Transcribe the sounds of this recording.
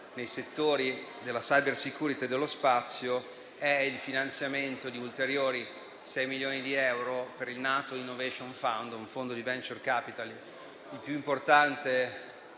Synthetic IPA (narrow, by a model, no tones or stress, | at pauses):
nejset̪ːoːɾid̪elːasajbersikuːɾit̪ied̪elːospat̪sːjo | ɛilfinant̪sjament̪od̪iult̪eɾjoːɾi | sɛjmiljoːnid̪iɛwɾopeɾilnaːt̪oinːoveʃonfawnd̪uɱfond̪od̪ivɛnt͡ʃorkaːpit̪al | ilpjuimport̪ant̪e